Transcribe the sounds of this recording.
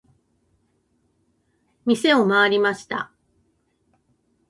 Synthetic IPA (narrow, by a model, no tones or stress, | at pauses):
mʲise̞o̞maːɾʲimaɕi̥t̪a̰